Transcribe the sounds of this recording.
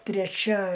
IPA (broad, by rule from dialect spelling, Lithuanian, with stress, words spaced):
tʲrʲɛˈt͡ʃʲɛ